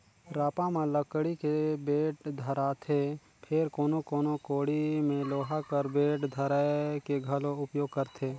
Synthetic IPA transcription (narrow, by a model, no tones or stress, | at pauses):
ɾaːpãmãləkɽikebeːʈd̪ʱəɾat̪ʰe | pʰɪɾkoːnokoːnokoːɽimẽloːɦakəɾbeːʈd̪ʱəɾaekeɡʱɐloʊpjoːɡ̚kəɾt̪ʰeː